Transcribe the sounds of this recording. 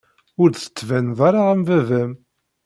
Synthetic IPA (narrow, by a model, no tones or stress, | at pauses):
ʊɾθə̥t͡sːvænðˤɑɾˤɑʁəmvævæm